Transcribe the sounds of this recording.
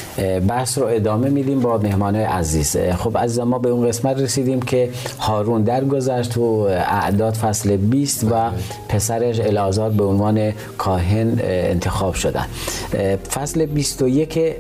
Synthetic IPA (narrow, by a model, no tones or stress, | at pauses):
bæhsɾoe̞d̪ɒːme̞miːd̪iːmbɒːmehmɒːnɑːjeʔæziːz̥xobæziːzæmːɒːbeunɢe̞smæt̪resiːd̪iːmcʰe̞hɒːɾuːnd̪æɾɡo̞zæʃt̪ʰuæ̰ʔd̪ɒːd̪fæslebiːst̪væ | pʰesæɾeʃelɒːzɒːɾbeonvɒːne̞ | kʰɒːɦe̞nḛnt̪ʰe̞xɒːb̥ʃod̪æ̰n | fæslebist̪ojekʰe